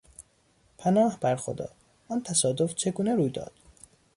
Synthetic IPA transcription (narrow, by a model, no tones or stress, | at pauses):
pʰænɒːhbæɾxo̰d̪ɒ̰ː | nt̪ʰæsɒːd̪oft͡ʃʰe̞ɡuːneɾuːjd̪ɒ̰ːd̪̥